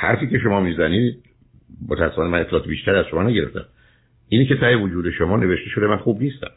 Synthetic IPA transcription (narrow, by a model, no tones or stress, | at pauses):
hæ̰ɾfiːce̞ʃo̞mɒːmiːzæniːd̪̥̚ | mo̰t̪ʰææsːefɒːneænet̪ʰːelɒːt̪ebiːʃt̪æɾiæz̥ʃomɒːnæɟeɾe̞ft̪ʰæ̰m | ʔiːnece̞t̪ʰæevod͡ʒuːd̪e̞ʃomɒːne̞ve̞ʃt̪e̞ʃo̞d̪e̞mænxuːbniːst̪æ̰m